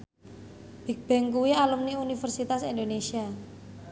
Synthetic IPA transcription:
b̥i̤k̚b̥ɛ̤ŋkuwialumniunifərsit̪asind̪onesia

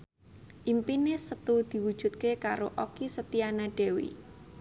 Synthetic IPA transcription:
ʔimpinesət̪ud̪̥i̤wud̥ʒ̥ṳt̪̚kekaɾo̰ʔokisət̪ianaɖ̥ɛ̤wḭ

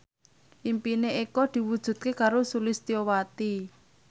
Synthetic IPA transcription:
ʔimpineekɔd̪̥i̤wud̥ʒ̥ṳt̪̚kekaɾosulist̪iowat̪i

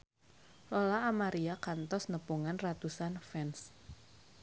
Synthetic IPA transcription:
lolaːmaɾiakant̪ɔsnəpuŋanrat̪usanfɛns

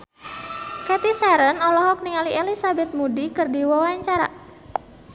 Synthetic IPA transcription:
kɛt̪isaɾənɔlɔɦɔk̚niŋalielisabɛt̪̚mudikɨrdiwɔwaɲt͡ʃaɾa̰

